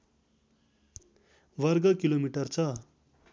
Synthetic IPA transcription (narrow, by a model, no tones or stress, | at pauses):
ʋʌrɡʌkilomiʈʌrt͡sʰʌ